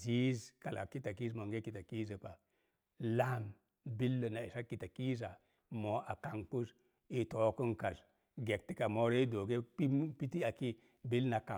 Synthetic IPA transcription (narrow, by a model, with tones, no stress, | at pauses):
zi˦zka˨la̰˨ki˦ta˨ki˦zmo˨ŋɡe˦ki˨ta˨ki˦zə˨pa˨ | la˦˨m | bi˦lːə˨na˨i˨sa˦ki˨ta˨ki˦za˨ | mo˨a˨ka˨ŋku˦s | i˨to˨˦ku˦ŋka˨z | ɡe˨k̚ti˦ka˨mo˦ɾe˦do˨ɡe˦pi˦m˦pi˦ti˦a˨ki˦ | bi˦lna˨ka˨